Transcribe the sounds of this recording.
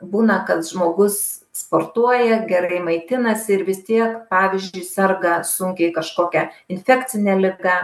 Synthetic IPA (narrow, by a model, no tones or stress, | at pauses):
buːnɐkɐt̪ʒmoːɡʊsspoːrt̪uɔjɛɡʲɛɾɐɪmɐɪt̪ʲɪnɐsʲɪɪɾʋʲɪst̪ʲiɛkpɑːʋʲɪzʲd͡ʒʲʊɪsɐrɡɐsʊŋʲkʲɛɪkɐʃkoːkʲɛɪnʲfʲæːkt͡s̪ʲɪnʲɛlʲɪɡɑ